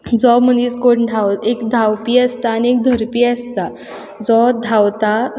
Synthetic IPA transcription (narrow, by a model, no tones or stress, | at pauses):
d͡zɔməniːskoɽɖʰʱawekd̪ʱawpiːəst̪aːniek̚d̪ʱəɾpiəst̪a | d͡zɔd̪ʱawt̪a